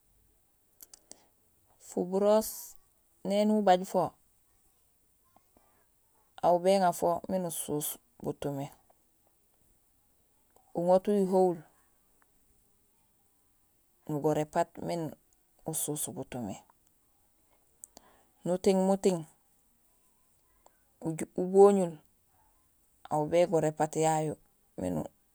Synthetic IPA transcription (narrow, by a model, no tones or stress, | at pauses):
fubuɾos | nenubaɟfo | aubeːŋafominusuːs | bṵtume | uŋotuiɦowl | nuɡoɾepat̚min | usuːsbutume | nutiŋmutiŋ | uboːɲul | a̰ubeːɡoɾepatjajo | mḭnṵ